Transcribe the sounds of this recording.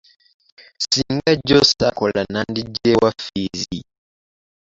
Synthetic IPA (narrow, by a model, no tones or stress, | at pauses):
siŋɡaɟosakolanandiɟewafizi